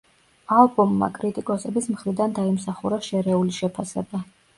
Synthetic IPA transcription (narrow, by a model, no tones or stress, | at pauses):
alˠbɔmːa̰kʼɾit̪ʼikʼɔsɛbismχɾid̪and̪aimsaχuɾaʃɛɾɛuliʃɛpʰasɛ̰ba